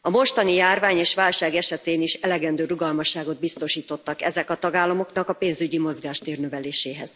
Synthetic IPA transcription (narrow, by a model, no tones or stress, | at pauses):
ɒmo̞ʃt̪ɒnijaːrvaːɲeːʃʋaːlʃaːɡɛʃɛt̪eːniʃɛlɛɡɛnd̪øːɾuɡɒlmɒʃːaːɡo̞d̪̚bist̪o̞ʃiːt̪o̞t̪ːɒkɛ̰zɛkɒt̪ɒɡaːlːɒmo̞knɒkɒpeːnzyɟimo̞zɡaːʃt̪eːrnøvɛleːʃeːɦɛ̰z̥